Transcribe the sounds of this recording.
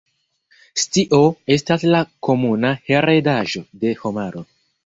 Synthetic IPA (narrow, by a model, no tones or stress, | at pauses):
stiʔoe̞staslako̞munahe̞ɾedaʒo̞de̞homaɾo̞